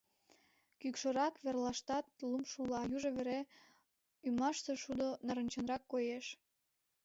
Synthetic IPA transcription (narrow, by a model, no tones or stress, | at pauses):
kykʃoɾɑkβerlɑʃt̪ɑt̪̚lumʃulɑjuʒoβeɾe | ymɑʃseʃud̪onɑɾə̆nt͡ɕənrɑkːojeʃ